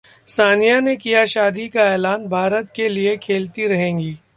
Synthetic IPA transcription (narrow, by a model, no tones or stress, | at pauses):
saːnijanekijaʃaːd̪ikaɛːlaːnbʱaːɾət̪keliekʰeːlt̪iɾɐɦẽːŋɡiː